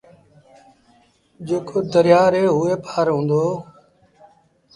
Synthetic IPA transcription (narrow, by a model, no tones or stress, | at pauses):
d͡ʒeːkʰoːd̪əɾɪjaːɾɦeːɦʊːeːpʰaːɾɦũːnd̪oː